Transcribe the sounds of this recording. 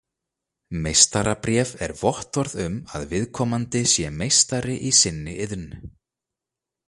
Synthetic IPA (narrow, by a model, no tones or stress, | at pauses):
mejst̪aɾapɾjɛvɛɾvɔht̪ɔɾðʏmaðvɪðkʰɔːmant̪ɪsjɛmejst̪aɾɪʔisɪnːɪʔɪðnʏ